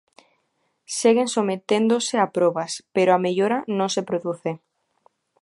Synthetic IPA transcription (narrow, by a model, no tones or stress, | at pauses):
seɣeŋsomet̪end̪oseapɾoβaspeɾoameʎoɾanõŋsepɾoðuθe